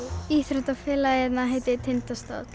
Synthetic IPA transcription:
iːθɾœt̪afɪːlajɛt̪naɦejt̪ɪt̪ʰɪnt̪ast̪a̰t̪

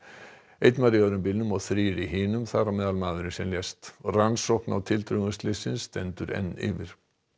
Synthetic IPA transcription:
ejt̪nmaðɾɪjœðɾʏmpɪlnʏmɔɣθɾiːɾiɦɪːnʏmθaɾamɛːðalmaːðʏɾɪnsɛmljɛst̪ransowhpna̰wt̪ʰɪlt̪ɾʏŋʏst̪lɪsɪnsːt̪ɛnt̪ʏɾɛ̰nːɪ̰ːvɪɾ̥

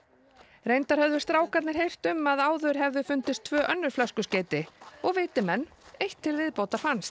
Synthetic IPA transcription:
rejnt̪aɾ̥hœðʏ̥st̪ɾaːwkaɾt̪nɪɾ̥ɦejr̥t̪ʏmaðaːwðœɾ̥ɦɛvðʏfʏnt̪ɪst̪ʰvœːʔœnːʏɾ̥flœskʏsceːt̪ɪɔɣvɪːt̪ɪmɛnː | ejht̪ʰːɪlvɪðpoːwt̪aɾ̥fanst̪

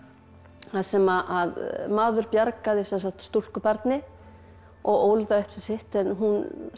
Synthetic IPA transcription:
θaðsɛmaʔaðmaːðʏɾpjaɾkaðɪsɛnsakt̪st̪ul̥kʏpaɾt̪nɪ | ɔɣoːwlðaʏhpsasɪht̪ɛnɦun

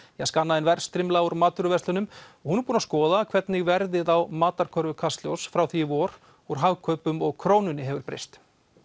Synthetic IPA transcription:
jaskanːaðɪnvɛɾ̥st̪ɾɪmlauɾmaːt̪ʏɾʏvɛrst̪ʏnʏmɔɣhunɛɾpuːnaskɔːðakʰv̥ɛt̪nɪɣvɛɾðɪðawmaːt̪aɾ̥kʰœɾvʏkʰast̪ljowsfɾawθiɪvɔːɾ̥ | uɾ̥ɦaɣkʰœːɥpʏmɔɣkʰɾoːwnʏnːɪɦɛvʏɾpɾḛjst̪

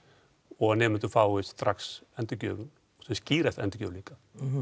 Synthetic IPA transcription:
ɔɣanɛːmɪnt̪ufawɪt̪ɾaksɛnt̪ɪcœ̰ːvn | ɔθusciːɾast̪ɛ̰nt̪ɪ̥cœ̰ːliŋka

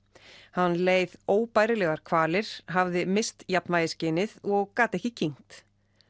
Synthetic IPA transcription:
hanːleːjðoːwpaːjɾɪlɛːɣaɾ̥kʰvaːlɪɾ̥ɦavðɪmɪst̪japnvaːjðɪscɪːnɪðɔɣkaːt̪ɛhcɪcʰiŋ̥t̪

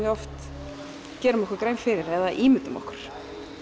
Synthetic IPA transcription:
jɛɔft̪ | cɛːɾʏmɔhkʏɾkɾeːjmfɪɾɪɾɛðaʔiːmɪt̪ʏmɔ̰hkʏɾ̥

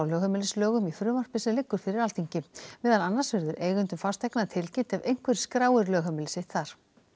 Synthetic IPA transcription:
awlœːɣhœmɪlɪslœːɣʏmiθɾʏːmar̥pɪsnɪlɪkːʏɾ̥fɪɾɪɾalt̪iɲcɪvɛːðalanːasvɪɾðʏɾʔeːjɣʏnt̪ʏmfarst̪ɛjknaðt̪ʰɪlcɪnt̪ɛvejŋ̥kvɛɾ̥skɾaːwɪɾlœːɣɦœmɪlɪsɪt̪θaɾ̥

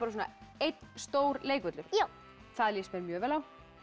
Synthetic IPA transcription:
paɾs̬uːna̰ejt̪nst̪oːwɾleːjkvɛt̪lʏɾ̥jaw | θaðljɛspɛɾmjœːvɛːlaw

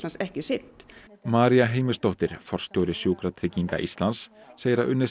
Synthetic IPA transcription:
tlansɛhcɪsɪnt̪maːɾiaɦeːjmɪst̪oht̪ɪɾ̥fɔr̥st̪jowɾɪsjuːkɾat̪ʰɾɪcːiŋka̰ʔist̪lansːeːjɾaʔʏnːɪ

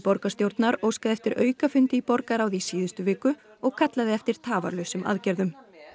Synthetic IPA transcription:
pɔɾkast̪jowɾt̪naɾowskaðɪɛft̪ɪɾʔœːɥkafʏnt̪ɪipɔɾkaɾawðisiːðʏst̪ʏvɪːkʏ | ɔɣkʰat̪laðɪɛft̪ɪɾ̥t̪ʰaːva̰ɾlœɥsʏmʔa̰ðcɛɾðʏm

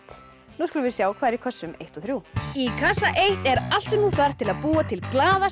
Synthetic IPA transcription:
t̪ | nuskɔlʏvɪðsjaːwkʰvaːɾikʰœsːʏmejht̪ɔθɾjuikʰasaʔejht̪ɛɾal̥t̪sʏnuːθar̥t̪ʰɪlaðpuːat̪ʰɪlklaːða

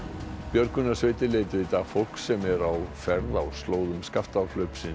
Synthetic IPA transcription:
pjœɾkʏnasveːjt̪ɪleːjt̪ʏit̪afowl̥ksɛmɛɾawfɛɾðawst̪loːwðʏmskaft̪alœɥpsɪn

